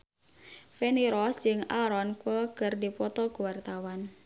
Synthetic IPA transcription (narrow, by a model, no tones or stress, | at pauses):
fɛniɾɔsd͡ʒɨŋaɾɔnkwəkɨrdipɔt̪ɔkuwart̪awan